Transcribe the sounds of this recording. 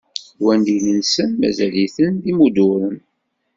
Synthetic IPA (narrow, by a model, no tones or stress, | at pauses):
wænd̪ilənsənmæ̰zæliθənðimud̪ʊɾən